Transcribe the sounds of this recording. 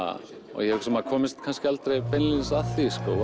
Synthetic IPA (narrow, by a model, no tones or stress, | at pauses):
a̰ | ɔ̰ɣjɛhɛvɪksɛmaðkʰɔːmɪst̪kʰanskcɪalt̪ɾejpʰɛnlɪnsaθiskɔ